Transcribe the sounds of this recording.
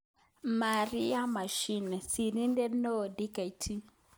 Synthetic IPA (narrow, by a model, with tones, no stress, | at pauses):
ma˨ɾi˦ja˦ma˨ʃi˦nɛ˨si˨ɾi˦ndɛ˦nɔ˦˨di˦ka˨i˨tʰi˦